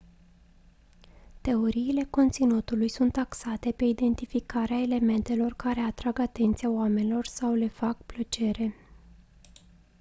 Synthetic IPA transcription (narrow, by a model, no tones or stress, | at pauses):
t̪e̞o̞ɾiːle̞ko̞nt̪sinut̪ulujsunt̪aksat̪e̞pe̞id̪e̞nt̪ifikaɾeaele̞me̞nt̪e̞lo̞rkaɾe̞at̪ɾaɡat̪e̞nt̪sijaoame̞nilo̞rsawle̞fakplət͡ʃe̞ɾe̞